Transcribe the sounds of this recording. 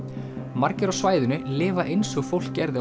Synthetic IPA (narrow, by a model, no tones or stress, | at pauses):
maɾcɪɾɔsvaːjðʏnʏlɪːvaʔejnsɔɣfowl̥kcɛɾðɪ